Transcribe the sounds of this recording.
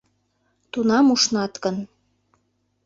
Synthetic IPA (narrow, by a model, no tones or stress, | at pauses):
t̪unɑmuʃnɑt̪kən